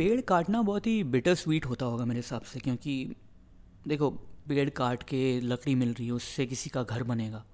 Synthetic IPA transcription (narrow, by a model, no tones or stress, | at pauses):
peːɽkaːɾʈnabɔːt̪ɦibɪʈəɾsʋiːʈɦoːt̪aɦoːɡameːɾeɦɪsaːbsekjõːki | d̪eːkʰoːpeːɽkaːɾʈkelɐkɽimɪlɾɐɦiɦɛʊsːek̬ɪsikaɡʱɐɾbɐneːɡaː